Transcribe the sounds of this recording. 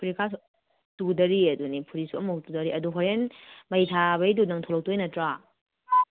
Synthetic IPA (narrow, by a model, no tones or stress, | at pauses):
pʰuɾikʰas | tudɐɾiɐdunipʰuɾisuɐmɐtudɐɾiʔɐduɦoɾenmɐjtʰaβɐjdunɐŋtʰolok̚tujnɐtɾa